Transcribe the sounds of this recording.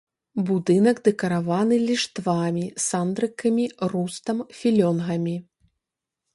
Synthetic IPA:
bud̪ɨnɐɡd̪ɛkɐɾavanɨlʲiʂt̪vamʲisand̪ɾɨkɐmʲirust̪ɐmfʲilʲɔnɣɐmʲi

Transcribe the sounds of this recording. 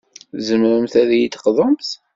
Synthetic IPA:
zəmɾəmθæðjit̪ːəqðˤəmθ

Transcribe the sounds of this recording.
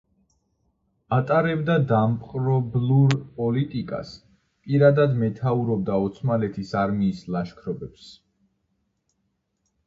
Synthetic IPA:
at̪ʼaɾɛbd̪ad̪ampʼqʼɾɔbluɾpʼɔlit̪ʼikʼa̰s | pʼiɾad̪ad̪mɛt̪ʰauɾɔbd̪aɔt̪sʰmalɛt̪ʰisaɾmiːslˠaʃkʰɾɔbɛps

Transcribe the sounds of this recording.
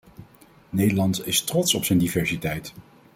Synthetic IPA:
nejdəlɑntɪstrɔtsɔpsɛjndivɛɹsitɛjt

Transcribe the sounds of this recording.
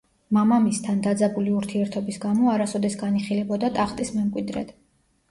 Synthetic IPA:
mamamist̪ʰand̪ad̪zabuliuɾt̪ʰiɛɾt̪ʰɔbisɡamɔaɾasɔd̪ɛsɡaniχilɛbɔd̪at̪ʼaχt̪ʼismɛmkʼwid̪ɾɛ̰d̪̥

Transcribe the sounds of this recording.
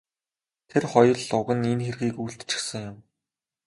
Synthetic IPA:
t̪ʰerχɔjɞ̆ɮʊɣə̆ninxerɣiːkuːɬt̪t͡ɕɪ̥̆xsə̆ŋjʊm

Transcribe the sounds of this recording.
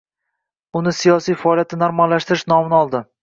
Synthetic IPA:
ʊnɪsijɒsijfɒɒlijat̪nɪnaɾmalːaʃt̪ɪɾɪʃnɒmɪnɪɒlˠd̪ɪ

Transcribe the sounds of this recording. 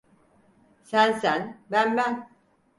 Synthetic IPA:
sænsænbænbæn

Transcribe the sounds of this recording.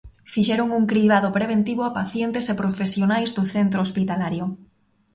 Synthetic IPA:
fiʃɛɾoŋuŋkɾiβ̞aðopɾeβ̞ent̪iβoapaθjent̪esepɾofesjonajzðoθent̪ɾoospit̪alaɾjo

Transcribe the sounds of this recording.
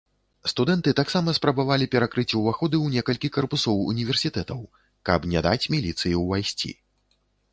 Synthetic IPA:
st̪ud̪ɛnt̪ɨt̪aksamɐspɾɐbavalʲipʲɛɾakɾɨt͡sʲuvaxɔd̪ɨwnʲɛkɐlʲkʲikɐrpusɔwṵnʲivʲɛrsʲit̪ɛt̪ɐw | kɐ̰pnʲad̪a̰t͡sʲmʲilʲit̪sɨjiwvajsʲt͡sʲḭ

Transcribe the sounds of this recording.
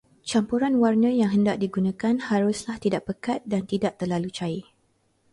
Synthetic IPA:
t͡ʃampuɾanwarnə̃jaŋɦəndaʔ̚diɡunãkanhaɾʊslaht̪idaʔ̚pəkat̪̚dant̪idaʔ̚t̪ərlalut͡ʃai

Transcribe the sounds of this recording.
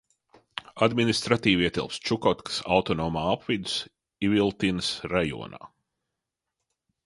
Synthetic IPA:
ad̪minist̪ɾat̪iːviɛt̪ḭlˠpst͡ʃukɔt̪ksawt̪ɔnɔːmaːapvid̪us | ivilˠt̪inɨsɾajṵɔna̰ː

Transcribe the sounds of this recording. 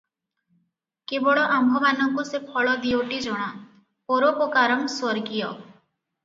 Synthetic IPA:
kebɔɭɔʔambʱɔmanɔŋkusepʰɔɭɔd̪ioʈid͡ʒɔɽ̃a | oɾɔpɔkaɾɔmswɔɾɡijɔ

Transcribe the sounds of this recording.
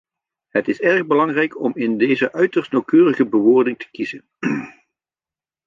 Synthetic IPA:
ɦətɪsɛrɣbəlɑŋrɛjkɔmɪndejzəʔœɥtəɹstnowkøːrəɣəbəʋʊːɹdɪŋtʰə̥kizən

